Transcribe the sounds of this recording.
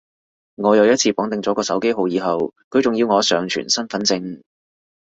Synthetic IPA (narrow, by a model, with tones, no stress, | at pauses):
ŋɔː˨˧jɐ˨˧wjɐ˥t̚t͡sʰiː˧pɔː˨˥ŋt̪ɪ˨ŋt͡sɔː˨˥kɔː˧sɐ˨˥wke˥jɦo˨˧wjiː˨˧ɦɐ˨wkʰɵ˧ɥt͡sʊ˨ŋjiː˧wŋɔː˨˧sœː˨˧ŋt͡ʃʰy̰˨˩nsɐ˥nfɐ˨˥nt͡sɪ˧ŋ